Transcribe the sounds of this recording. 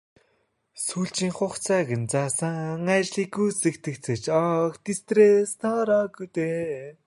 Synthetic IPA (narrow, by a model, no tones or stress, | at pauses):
suːɬt͡ɕiːŋχʊχt͡sʰaːɣɘ̆nt͡sasəŋæt͡ɕɮiːkːujsĕkt̪ʰɘ̆kt͡sʰɘ̆t͡ɕɔkt̪ist̪resnʰɔːɾɔːɡujt̪eː